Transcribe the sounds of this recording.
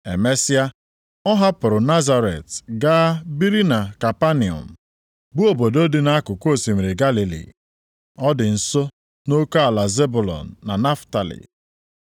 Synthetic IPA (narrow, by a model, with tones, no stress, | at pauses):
ḛ˨me˦sɪ˦a˦ | ɔ˦ɦa˦pʊ˨ɾʊ˨na˦za˨ɾe˨tɡa˦bi˦ɾi˦na˨ka˨pa˦ni˨ɔ̰˨n̩˨ | bʊ˦o˨bo˨do˦dɪ˦na˦a˦kʊ˨kʷo˦˨si˨m̩˨ɾe˨ɡa˦li˨lḭ˨ | ɔ˦dɪ˨n̩˨so˦ | no˦ka˦a˨la˨ze˦bʊ˨lɔ̰˨n̩ː˨a˨na˦fta˨lḭ˨